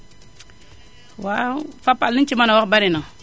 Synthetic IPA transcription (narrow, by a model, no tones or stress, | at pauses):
wafapalint͡ʃimanawakbaɾina